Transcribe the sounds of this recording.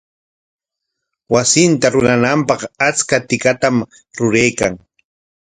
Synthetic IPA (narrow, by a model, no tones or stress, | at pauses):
wasɪnt̪aɾʊɾanampɑχat͡skat̪ɪkat̪am | ɾʊɾajkaŋ